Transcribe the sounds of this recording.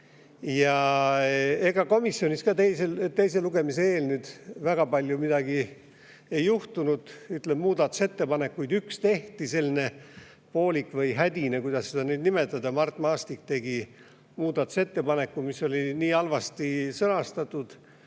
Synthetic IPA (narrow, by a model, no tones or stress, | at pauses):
jɑ | e̞ɡɑko̞misːjo̞niskɑt̪e̞jse̞lt̪e̞jse̞luɡe̞mise̞e̞ːlnyːd̪̥væɡ̥ɑpɑlʲjumid̪ɑɡi | e̞jːuht̪unud̪̥yt̪lebmuːd̪̥ɑt̪ːˑuse̞t̪ːe̞pɑne̞kːujd̪ykst̪e̞ht̪ise̞lʲːine̞ | po̞ːlʲikːˑvɤjɦæd̪̥ʲinekujd̪ɑsːed̪ɑnyːd̪nime̞t̪ːˑɑd̪ɑmɑrt̪ːˑmɑːst̪ik̚t̪e̞ɡi | muːd̪̥ɑt̪ːˑu̥se̞t̪ːe̞pɑne̞kːumiso̞lʲiniːɑlvɑst̪isɤnɑst̪ɑt̪ːˑud̪̥